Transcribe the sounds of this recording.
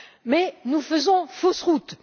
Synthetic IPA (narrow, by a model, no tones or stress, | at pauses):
mɛnufəzɔ̃fosʁut̪